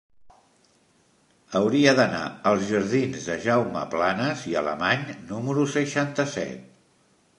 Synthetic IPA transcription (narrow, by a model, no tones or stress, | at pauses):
əwɾiəðəna̰əlˠzʒəɾð̞inzðəʒawmə̰planəziə̰lə̰maɲnuməɾusəʃant̪əsɛ̰t̪̚